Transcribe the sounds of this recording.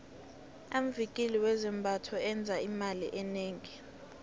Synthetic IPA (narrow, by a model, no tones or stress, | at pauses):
am̩vikʼiliwɛzɛmbʱatʰɔɛnd͡zʱaimalḭʔɛneːŋi